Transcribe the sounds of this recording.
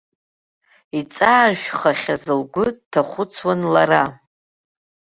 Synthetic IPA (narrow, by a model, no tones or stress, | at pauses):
it͡sʼaːrʒᶣχaχʲazɨlɡʷʊdtʰaχʷʊt͡sʰwanlaɾa